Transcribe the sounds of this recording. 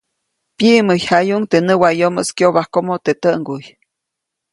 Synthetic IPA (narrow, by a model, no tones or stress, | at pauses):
pjiʔmɨjhajuŋt̪enəwajomə̰skjoβahkomot̪et̪əŋɡuj